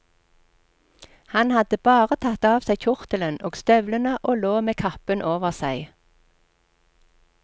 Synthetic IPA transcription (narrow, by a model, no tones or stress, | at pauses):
hɑnhɑd̪əbɑːʁət̪ʰɑt̪ɑːʋsæɪtʰʊʁt̪ələnoːɡ̥st̪œʋlənəʔoːloːmeːkʰɑpənʔoːʋəʁsæɪ